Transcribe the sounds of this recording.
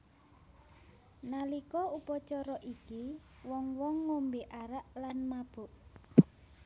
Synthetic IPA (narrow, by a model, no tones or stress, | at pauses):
nalikɔupɔt͡ʃɔɾɔʔiki | wɔŋwɔŋːombeʔaɾaʔlanmab̥ʊ̤ʔ